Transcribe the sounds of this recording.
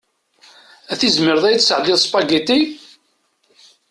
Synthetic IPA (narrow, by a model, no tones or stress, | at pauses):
æθizməɾðˤæjt͡sːsəʕəlːɪðˤspɑɡit̪i